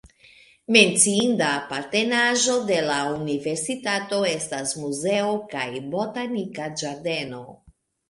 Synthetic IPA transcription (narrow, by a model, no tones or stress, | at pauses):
me̞nt͡siindapaɾte̞naʒo̞de̞launive̞ɾsitato̞e̞stasmuze̞okajbo̞tanikad͡ʒaɾde̞no̞